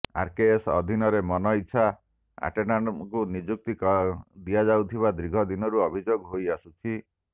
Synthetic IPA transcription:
a̰ɾkeesɔ̰d̪ʱinɔɾemɔnɔitːʃʰa | a̰ʈenankunid͡ʒuk̚t̪ikɔd̪iad͡ʒawt̪ʰiβad̪ɾiɡʱɔd̪inɔɾuɔbʱid͡ʒoɡɦojasut͡ʃʰi

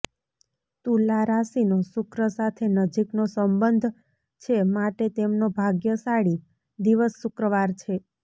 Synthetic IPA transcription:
t̪ũlaɾasinosʊkɾəsat̪ʰenəd͡ʒiknosəmbənd̪ʱ | t͡ʃʰemaʈet̪emnobʱaɡjəsaɽi | d̪iʋəsːʊkɾəʋaɾt͡ʃʰe

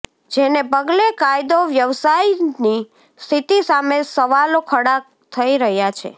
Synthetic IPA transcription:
d͡ʒenepəɡlekajd̪oʋjəʋsaini | st̪ʰit̪isamesəʋalokʰəɽa | t̪ʰəiɾəɦjat͡ʃʰḛ

